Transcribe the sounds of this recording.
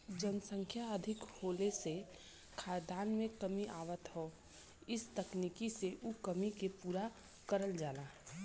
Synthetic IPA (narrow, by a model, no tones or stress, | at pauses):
d͡ʒənsə̃ŋkʰjaəd̪ʱɪkhoːlese | kʰaːd̪aːnmẽkəmiʔaːʋət̪ɦo | ɪst̪əknikiseʔukəmikepuːɾa | kəɾəld͡ʒaːlaː